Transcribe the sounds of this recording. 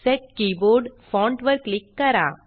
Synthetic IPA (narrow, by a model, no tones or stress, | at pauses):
sɛʈ̚kiboɾɖfɔ̃ɳʈʋəɾklikːəɾa̰